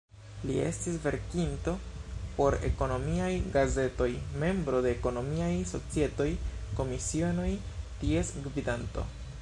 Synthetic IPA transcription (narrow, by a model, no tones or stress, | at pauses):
lḭe̞̰stisve̞ɾkinto̞po̞ɾe̞̰ko̞no̞miajɡaze̞to̞jme̞mbɾo̞de̞ːko̞no̞miajso̞̰t͡sie̞to̞jko̞misiono̞j | tie̞sɡvidanto̞̰